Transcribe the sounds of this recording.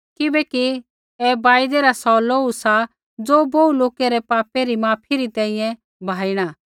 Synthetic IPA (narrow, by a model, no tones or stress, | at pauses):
kɪbɛki | ɛbaːɪd̪eɾasɔloːusa | d͡zoːbouloːkeɾɛpaːpeɾimaːpʰiɾit̪ɛ̃ːĩjɛ̃ | bʱaːiɽ̃aː